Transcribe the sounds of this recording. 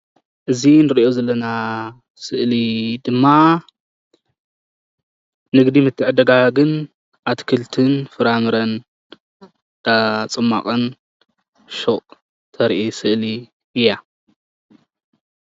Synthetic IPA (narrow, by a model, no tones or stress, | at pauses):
ʔɨzinɨɾiʔo̞zɐlːɐna | sɨʔlid̪ɨmːa | nɨɡd̪imɨt̪ʰːɨʕɨd̪ɐɡaɡɨn | ʔat̪kʰɨlt̪ʰɨnfɨɾamɨɾɐn | d̪̥at͡sʼɨmːa̰qʼɐn | ʃoʔʼ | t̪ʰɐɾʔisɨʔli | ɨja